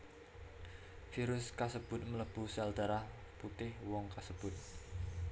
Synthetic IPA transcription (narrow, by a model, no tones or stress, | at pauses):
fiɾʊskasəb̥ʊ̤t̪̚mələb̥usald̪̥a̤ɾah | put̪ɪhwɔŋkasəb̥ʊt̪̚